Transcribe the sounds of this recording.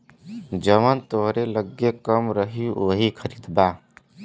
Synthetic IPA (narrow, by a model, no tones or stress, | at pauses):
d͡ʒəmənt̪oɦɾeləɡekəmɾəɦioɦikʰəɾid̪ba